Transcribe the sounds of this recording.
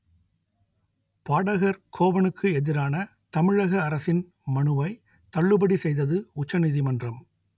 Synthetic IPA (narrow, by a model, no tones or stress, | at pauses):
paːɽɐɣɐɾkʰoːʋɐnɯkʰːɯɛðɪɾaːnɐ | t̪ɐmɪɻɐɣɐːɾɐsɪn | mɐɳɯʋɐɪ | t̪ɐɭːɯbɐɽisɛjðɐðɯʊt͡ʃːɐnɪðimɐndrɐm